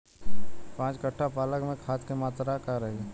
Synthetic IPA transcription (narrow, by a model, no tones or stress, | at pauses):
pãːt͡ʃkəʈʰːapaːləkmẽkʰaːskemaːt̪ɾakaɾəɦe